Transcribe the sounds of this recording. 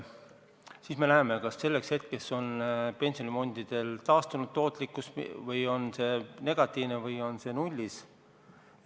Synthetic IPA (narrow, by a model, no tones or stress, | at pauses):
siːsme̞næemekɑsːe̞lːe̞kshe̞t̪̚ke̞sonpe̞nʲsionimo̞nd̪̥id̪̥e̞lt̪ɑːst̪unud̪̥̚t̪ːo̞ːt̪ˑlikːˑusvɤjo̞nse̞ne̞ɡ̥ɑt̪ˑːiːvnevɤjo̞nse̞nulʲːis